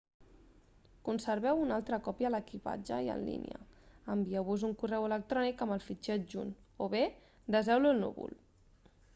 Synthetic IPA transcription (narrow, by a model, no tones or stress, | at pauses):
kunsəɾβɛwunalˠt̪ɾəkɔpiələkipa̰d͡ʒəiə̰nlḭnḭə̰əmbiɛwβuzuŋkurɛwələk̚t̪ɾɔnikəməlˠfit͡ʃɛd͡ʒunoβe | d̪əzɛwlulnṵβṵl